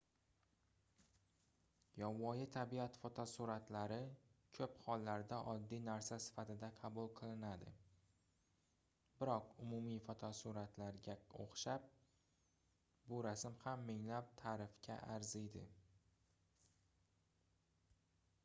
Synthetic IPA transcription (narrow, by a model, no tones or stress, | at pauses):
jɒvːɒjɪt̪ʰabiat̪fot̪ʰɒsuɾat̪ʰlaɾɪkʰɵphɒlːaɾd̪aʔɒd̪ːijnaɾsasɪ̥fat̪ʰɪd̪aqʰɑbʊlˠqʰɨlˠɪnad̪ɪ̰ | bɪɾɒqʊmʊmijfɒt̪ʰɒsuɾat̪ʰlaɾɡʲao̰χʃap̚ | bʊɾasmhamːɪŋlap̚t̪ʰaːɾɪfkʲʰa̰ʔaɾzɪd̪ɪ̰